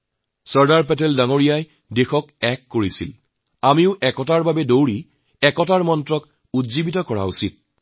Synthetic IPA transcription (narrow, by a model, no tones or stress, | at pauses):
sɔɹdaɹpɛtɛldaŋoɹijaj | dexɔkɛkːoɹisil | amiʊʔɛkɔtaɹbabɛdowɹi | ɛkɔtaɹmɔntɹɔk | utzibitɔkɔɹa̰usit̚